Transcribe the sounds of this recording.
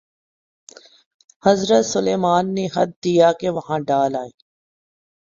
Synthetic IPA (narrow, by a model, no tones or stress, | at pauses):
hɐzɾət̪sʊleːmaːnːeɦɐd̪̚ːijakeʋɐɦãɖaːlaːeː